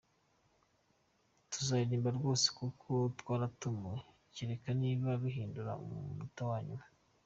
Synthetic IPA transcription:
tuzaiɾiːmbaɾɡo̞ːse̥kukʰotwaːɾatumwe | ciɾekaniːβaβuɦiːnduɾa̰mumutowaːɲuma

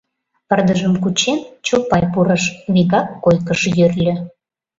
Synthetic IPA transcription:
pərd̪əʒəmkut͡ɕent͡ɕupɑjpuɾəʃβiɣɑkːojkəʃjørlʲø̆

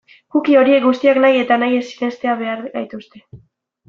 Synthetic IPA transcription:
ɡukio̞ɾie̞k̚ɡust̪iaknaje̞t̪anaje̞sine̞st̪e̞aβe̞aɾajt̪ust̪e̞

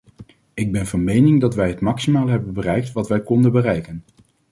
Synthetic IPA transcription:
ɪɡ̚bɛnvɑnmejnɪŋdɑtʋɛjɦətmɑksimaːlˠɦɛbənbərɛjk̚tʋɑtʋɛjkɔndənbərɛjkən

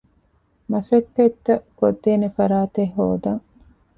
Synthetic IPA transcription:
mɐsɐkːɐt̪ːɐkod̪ːeːnefɐɾaːt̪eɦːo̰ːd̪ɐŋ

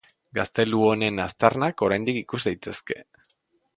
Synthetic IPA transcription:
ɡast̪e̞luo̞ne̞nast̪arnako̞ɾajnd̪ikikuzd̪ajt̪e̞ske̞

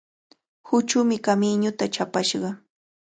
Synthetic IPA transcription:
hʊt͡ʃʊmɪkamɪɲʊt̪at͡ʃapaʃɢɑ

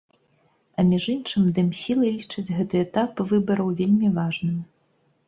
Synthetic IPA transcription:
ɐmʲiʐɨnt͡ʂɨmd̪ɨmsʲilˠɨlʲit͡ʂɐd͡zʲɣɛt̪ɨɛt̪apvɨbɐɾɐwvʲelʲmʲivaʐnɨ

